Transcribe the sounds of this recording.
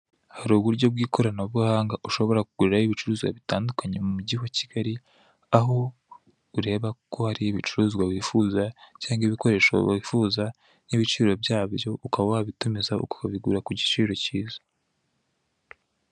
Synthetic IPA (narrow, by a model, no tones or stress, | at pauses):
haɾuːβuɾɟo̞b̚ɡiːkʰo̞ɾanoβuhaːŋɡaʔuʃo̞βo̞ɾakuɡ̥uɾeɾajiβit͡ʃuɾuːzɡwa̰βitaːndukaɲe̞mumuɟiwaciɡ̥aɾi | aɦo̞ | uɾe̞ːβakʰo̞haɾiβit͡ʃuɾuːzɡwaβifuːzacaːŋɡiβiko̞ɾe̞ːʃaβifuːza | niβit͡ʃiːɾo̞bjaːβjo̞ʔukaβawaβitumizaṵko̥kaβiɡṵɾakuɟit͡ʃiːɾo̞ciːzḁ